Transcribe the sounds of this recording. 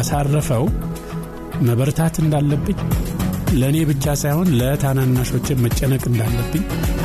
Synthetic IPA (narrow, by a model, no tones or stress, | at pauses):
asarːəfəw | məβəɾt̪ʰat̪ɨnd̪alːəbːɨɲː | ləne̞bɨt͡ʃːasajho̞nlət̪ʰananːaʃo̞t͡ʃːɪmmət͡ʃʼːənəkʼɨnd̪alːəbːɨɲː